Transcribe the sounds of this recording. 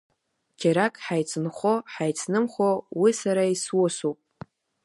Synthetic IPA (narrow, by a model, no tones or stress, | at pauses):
kʲʰeɾakʼħajt͡sʰɨnχʷoħajt͡sʰnɨmχʷowisaɾaiswʊsowpʼ